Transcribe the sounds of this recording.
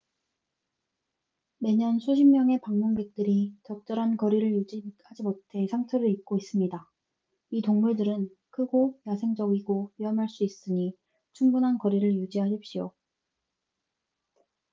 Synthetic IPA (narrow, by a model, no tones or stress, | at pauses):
me̞ɲʌnsʰuɕʰimːjʌŋe̞paŋmuŋɡe̞k̚t͈ɯɾit͡ɕʌk̚t͡ɕ͈ʌɾɦankʌɾiɾɯɭjud͡ʑihad͡ʑimotʰe̞sʰaŋtʰɯɾɯɾik̚k͈ois͈ɯmɲida | itoŋmuɭdɯɾɯn | kʰɯɡojasʰe̞ŋd͡ʑʌɡiɡoɥiɦʌmɦaɭs͈uis͈ɯɲi | t͡ɕʰuŋbunɦankʌɾiɾɯɭjud͡ʑiɦaɕʰip̚ɕ͈io